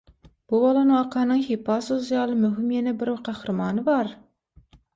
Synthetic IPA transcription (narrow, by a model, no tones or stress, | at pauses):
b̥ubɑlˠɑnɨŋɑqʰɑːnɨŋhepɑsozjɑlˠɨmyɦɪmjɛnɛbɪɾqʰɑhɾɨmɑːnɨbɑɾ